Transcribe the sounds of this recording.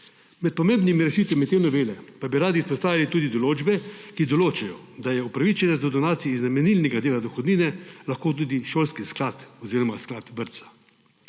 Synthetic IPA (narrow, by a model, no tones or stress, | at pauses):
mɛt̪̚pɔmeːmbnimiɾɛʃiːt̪ʋamit̪jenɔʋeːlɛpabiɾaːd̪iːspɔst̪aːʋilit̪uːd̪id̪ɔloːd͡ʒbɛkid̪ɔloːt͡ʃajɔd̪ajɛupɾaʋit͡ʃɛnɛzd̪ɔd̪ɔnaːt̪sijɛiznamɛniːlnɛɡad̪eːlad̪ɔxɔd̪niːnɛlaxkoːt̪̬uːd̪iʃoːlskisklaːt̪ɔziːɾɔmasklat̪bəɾt̪sḁ